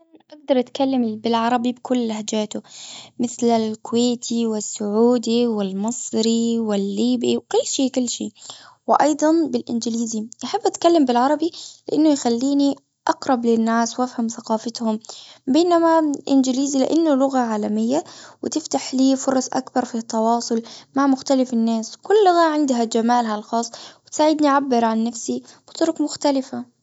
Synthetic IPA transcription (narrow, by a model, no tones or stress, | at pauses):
ʔaɡ̚d̪ɑɾˤʔat̪kalːambɪlʕɑɾˤɑbibkʊlːahd͡ʒaːt̪ʊmɪθlalkʊweːt̪ʰiwɪsːʊʕuːd̪iwɪlmɨsˤɾiwɪlːiːbiwkʊlːʃiːkʊlːʃḭːwɪʔɑjd̪ˤɑnbɪlʔɪnd͡ʒɪliːziʔaħabːʔat̪kalːambɪlʕɑɾˤɑbilɪʔanːʊjxalːiːni | ʔɑqɾˤɑblɪnːaːswʔafhamθaqɑːfɪt̪hʊmbeːnamaʔɪ̰nd͡ʒɪliːzilɪ̰ʔanːʊlʊɣaʕaːlamɪjːawɪt̪ɪft̪aħliːfʊɾˤɑsˤʔa̰kbɑɾˤfit̪ːɑwɑːsˤʊlmaʕmʊxt̪alɪfɪnːaːskʊlːʊɣaʕɪnd̪ɦad͡ʒamaːlɦalxɑːsˤːwɪt̪saːʕɪd̪niʕabːɪɾʕanːafsib̥ɪt̪ˤʊɾʊkmʊxt̪alɪfa